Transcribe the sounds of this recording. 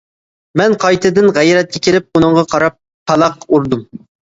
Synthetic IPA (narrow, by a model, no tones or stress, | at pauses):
mɛnqʰɑjt̪ʰɨd̪ɨnʁɛjɾɛt̪̚kʲɛkʲelɪp̚unɨŋʁɑqʰɑɾɑp̚ | hɑlˠɑqːuɾd̪um